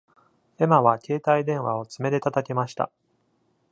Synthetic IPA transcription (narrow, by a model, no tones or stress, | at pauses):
e̞maβakʲe̞ːt̪aid̪ẽ̞ɰ̃βao̞t͡sɨme̞d̪e̞t̪at̪ake̞maɕi̥t̪a̰